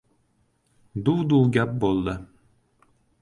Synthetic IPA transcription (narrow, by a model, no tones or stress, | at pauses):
d̪uwd̪uːɡʲap̚bolˠd̪ə